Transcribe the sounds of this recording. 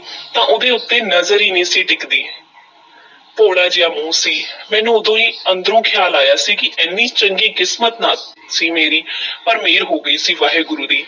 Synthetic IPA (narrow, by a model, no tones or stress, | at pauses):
t̪ãːʔod̪eːʊt̪ːeːnəzəɾiːnẽːsiːʈɪkd̪iː | poːɽaːd͡ʒɪjaːmũːsiːmɛ̃ːnũːʊd̪õːiːənd̪əɾõːkʰjaːlaːjaːsiːkɪʔɛːnːiːt͡ʃəŋɡiːkɪsmət̪naː | siːmeːɾiːpəɾmeːɾɦoːɡəiːsiːʋaːɦeːɡʊɾuːd̪iː